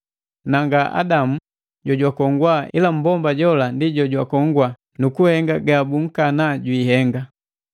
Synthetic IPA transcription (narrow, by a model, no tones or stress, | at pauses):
naŋɡaʔa̰damu | ɟɔɟwakɔŋɡwaʔilam̩bɔmbaɟɔlandiɟɔɟwakɔŋɡwa | nukuhɛŋɡaɡabuŋ̩kanaɟwiːɦɛŋɡa